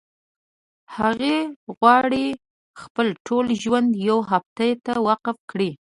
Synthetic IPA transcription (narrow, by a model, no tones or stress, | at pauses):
haɣeɣwɑɽi | xpəlʈʰolʒwand̪jawɦapt̪ajt̪awaqafkɽi